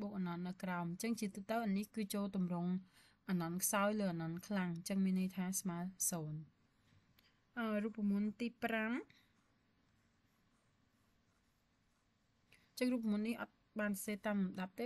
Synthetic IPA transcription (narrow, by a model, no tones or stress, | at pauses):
ɓoːk̚ʔanɑnːɨwkraɔmt͡ɕəŋt͡ɕiət̪uːt̪əwʔanihkɨːt͡ɕoːlt̪umrʊŋ | ʔaːnɑnkʰsaɔjləːʔanɑnkʰlaŋt͡ɕəŋmiənːɨəjt̪ʰaːsmaəlsoːn | ʔəːruəpːramuənt̪iːpram | t͡ɕəŋruːp̚ːamuənːihʔɑ̰t̪̚ | ɓaːnsseːt̪aːmmɗap̚t̪eː